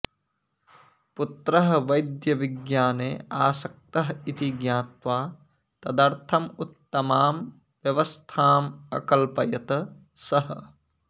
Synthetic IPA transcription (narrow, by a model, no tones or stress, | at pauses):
put̪ɾɐɦɐʋɐjd̪jɐʋiɡjaːneːaːsɐk̚t̪ɐɦɐit̪iɡjaːt̪ʋaː | t̪ɐd̪ɐɾt̪ʰɐmut̪ːɐmaːm | ʋjɐʋɐst̪ʰaːmɐ̰kɐlpɐjɐt̪ɐ | sɐɦɐ̰̆